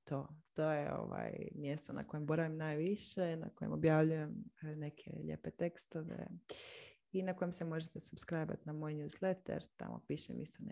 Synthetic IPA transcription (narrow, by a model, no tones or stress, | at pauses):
t̪oːt̪oːjeo̰ʋa̰ːjmjest̪ona̰ko̞je̞mbo̞ɾaʋimnaːjʋiʃena̰kojḛmobjaʋʎujemnekʰḛʎḛpet̪ekst̪oʋḛ | inako̞jemsemo̞ʒet̪esubskɾajba̰t̪namo̞jnjuːzlet̪ɛ̰ɾt̪a̰mo̰piʃḛmʔist̪on